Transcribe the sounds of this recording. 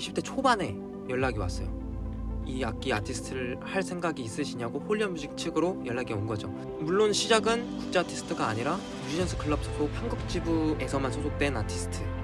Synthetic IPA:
ɕʰip̚t͈ʰet͡ɕʰobane̞ | jʌɭːaɡiwa̰s͈ʌjo | iak̚k͈iatʰisʰɯ̥tʰɯɾɯɭhaɭsʰe̞ŋɡaɡiːs͈ɯɕʰiɲaɡoɸoʎːiʌnmuɕʰik̚t͡ɕʰɯɡɯɾojʌɭːaɡionɡʌd͡ʑo | muɭːonɕʰid͡ʑaɡɯnkuk̚t͡ɕ͈eatʰisʰɯ̥tʰɯɡaːɲiɾa | mud͡ʑid͡ʑʌnsʰʌkʰɯɭːʌp̚s͈ʰɯbʰok̚haŋɡɯp̚t͡ɕ͈ibue̞sʰʌmansʰod͡ʑʰok̚t͈we̞natʰisʰɯ̥tʰɯ

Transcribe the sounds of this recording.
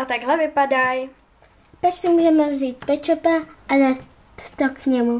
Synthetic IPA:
ʔat̪aɡɦlɛvɪpadaj | paksɪmuːʒɛmɛvziːt̪̚pɛt͡ʃopaʔadat̪ː | okɲɛmu

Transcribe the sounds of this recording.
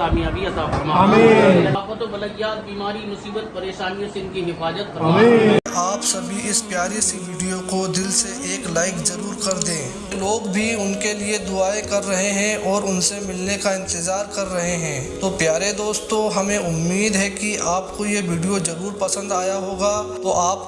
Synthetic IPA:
aːmiabijasaːmamebət̪obɐlət̪jaːd̪̚biːmaːɾimʊsiːbət̪̚pɐɾeːʃaːnijõsɪŋnkiɦɪfaːd͡ʒət̪̚ːeaːpsɐbʱiɪspjaːɾisiʋiːɖijokod̪ɪlseʔeːklaːɪkzɐɾuːɾkɐɾd̪ẽː | loːɡbʱiʊnkelied̪ʊaːekɐɾːɐɦeɦɛ̃ʔɔːɾʊnsemɪlnekaɪ̃nt̪ɪzaːɾkɐɾːɐɦeɦɛ̃ːt̪oːpjaːɾed̪oːst̪õɦɐmẽʊmːiːd̪ɦɛkiaːpkojeʋiːɖijozɐɾuːɾpɐsə̃nd̪aːjaɦoːɡat̪oʔaːp

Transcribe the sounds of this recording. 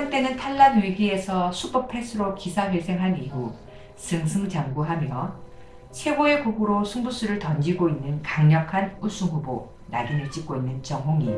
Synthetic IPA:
aŋt͈e̞nɯntʰaɭːanwiɡie̞sʰʌsʰupʌpʰe̞sʰɯɾokisʰaɸwe̞sʰe̞ŋɦaniɦu | sɯŋsʰɯŋd͡ʑaŋɡuɦamjʌ | sʰe̞ɡoe̞koɡuɾosʰuŋbus͈ʰuɾɯɭtʌnd͡ʑiɡoinːɯnkaŋɲʌkʰanus͈ʰuŋɦubo | naɡinɯɭt͡ɕ͈ik̚k͈oinːɯnt͡ɕʌŋɦoŋi

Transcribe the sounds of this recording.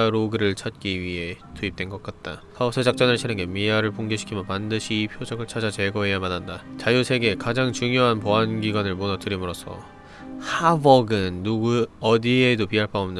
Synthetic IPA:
aɾoɡɯɾɯɭt͡ɕʰʌt̚k͈iɥiɦe̞tuip̚t͈we̞nɡʌk͈at̚t͈a̰kasʰed͡ʑak̚t͡ɕ͈ʌnɯɭɕʰinɯŋɡemiaɾɯɭpoŋɡeɕʰi̥kʰimjʌpandɯɕʰiːpʰjod͡ʑʌɡɯɭt͡ɕʰad͡ʑat͡ɕe̞ɡʌɦe̞jamanːandat͡ɕajusʰe̞ɡe̞kad͡ʑaŋt͡ɕuŋjoɦanpoanɡiɡwanɯɭmonʌtɯɾimɯɾosʰʌ̰ | habʌɡɯnːuɡuʌdie̞dopiɦaɭpʰaomnɯn

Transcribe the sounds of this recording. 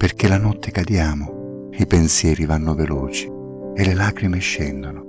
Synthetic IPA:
perkelanɔt̪ʰːekad̪jaːmʊ | ipensjɛːɾivanːʊveloːt͡ʃi̥ | elelaːkɾimeʃːɛnd̪ono

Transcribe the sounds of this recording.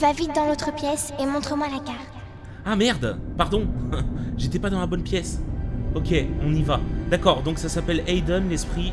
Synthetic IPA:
vavit̪̚d̪ɑ̃lot̪χəpjɛsemɔ̃t̪χəmwalakaʁt̪ | amɛʁd̪paʁd̪ɔ̃ʒet̪ɛpad̪ɑ̃labɔnpjɛsɔkʲeɔ̃nivad̪akɔʁd̪ɔ̃ksasapɛled̪ɔnlɛspχi

